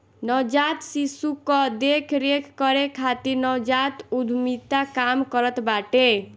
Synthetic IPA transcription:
nʌd͡ʒat̪sisukːʌd̪ekʰɾekʰkʌɾekʰat̪iɾnɔd͡ʒat̪ud̪ʱmit̪akamkʌɾət̪baʈe

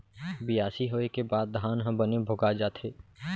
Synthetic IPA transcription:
bɪjaːsiɦoːekebaːd̪̚ːʱaːnɦə̃bənebʱoɡad͡ʒaːt̪ʰeː

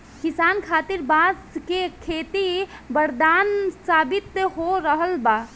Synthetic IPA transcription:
kisankʰat̪iɾbaskekʰet̪ibəɾd̪ansabit̪ːeɦoɾəɦəlba

